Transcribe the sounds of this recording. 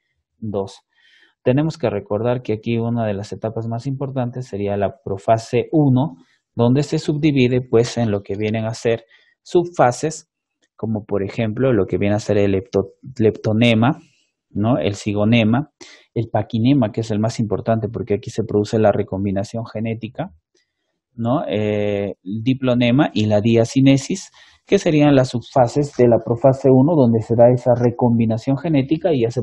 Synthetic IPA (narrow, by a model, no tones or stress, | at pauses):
d̪o̞s | t̪e̞ne̞mo̞ske̞re̞ko̞ɾðaɾkeakiunaðe̞lase̞t̪apazmasimpo̞ɾt̪ant̪e̞sːe̞ɾialapɾo̞fase̞ʔuno̞ | d̪o̞nd̪e̞se̞suβd̪iβiðepwe̞se̞nlo̞ke̞βje̞ne̞ŋase̞ɾ | suβfase̞s | ko̞mo̞po̞ɾe̞xe̞mplo̞lo̞ke̞βje̞nease̞ɾelept̪ole̞pt̪o̞ne̞ma | no̞e̞̰lsiɣo̞ne̞ma | e̞lpakine̞makee̞se̞lmasimpo̞̰ɾt̪ant̪e̞p̬o̞ɾke̞akise̞pɾo̞ðuse̞lare̞ko̞mbinasjo̞ŋxe̞ne̞t̪ika | no̞eld̪iplo̞ne̞maʔilaðiasine̞sis | kese̞ɾianlasːuβfase̞zd̪e̞lapɾo̞fase̞uno̞ðo̞nd̪e̞se̞ðae̞sare̞ko̞mbinasjo̞ŋxe̞ne̞t̪ikaiʝase